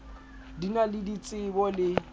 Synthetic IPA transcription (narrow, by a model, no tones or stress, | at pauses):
dinalɪdit͡sʼɪbɔlɪ